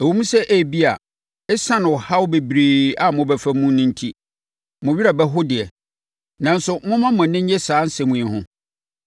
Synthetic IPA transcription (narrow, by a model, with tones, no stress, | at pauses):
æ˨wo˦mũ˦sɛ˦ʔæ˦˨bi˦a˨ | ɛ˦sã˦nʊ̃˨ɔ˨ha˦wbe˨bɾeː˨a˨mʊ̃˨bɛ˨fæ˦mũ˦nʊ̃˦n˦tʰi˦ | mʊ̃˨ɥi˦ɾa˨bɛ˦ɦʊ˦dɪ˨ɛ˨ | nã˨n˦sʊ˨mʊ̃˦mã˦mʊ̃˨nɪ̃˦ɲ˦ɛ˦saː˨˦n̩˦sɛ˨mũ˨ĩ˨hʊ̃˦